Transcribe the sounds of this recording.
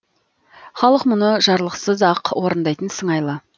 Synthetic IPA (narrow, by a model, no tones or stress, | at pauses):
χɑlˠəqmʊnəʒɑɾlˠəqsəzɑqwʔoɾənd̪ɑjt̪ənsəɴɑjlˠə